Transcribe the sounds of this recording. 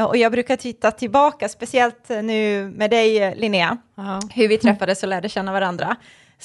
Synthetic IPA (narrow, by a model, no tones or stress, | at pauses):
ɔjɑːɡbɾʉ̟ːkat̪ʰɪt̪ːat̪ʰɪlbɑːkaspɛsɪɛlt̪nʉ̟ːmɛːd̪ɛjlɪnɪa | hɵɾvɪt̪ʰɾɛfːad̪əsɔlæːɖəɕɛnːavaɾand̪ɾa̰